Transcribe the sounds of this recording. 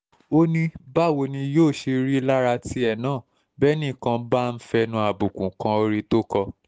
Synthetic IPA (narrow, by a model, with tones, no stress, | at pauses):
o˧nĩ˧ba˦˨wo˧nĩ˧joː˦˨ʃe˧ɾi˦la˦ɾa˧ti˧˦ɛ˦˨nãː˦˨ | bɛ˦nĩ˦˨kã˧ba˦˨˧n̩˦fɛ˧nũ˧a˨bu˨kũ˨kã˧˦o˧ɾi˦to˦kɔ˧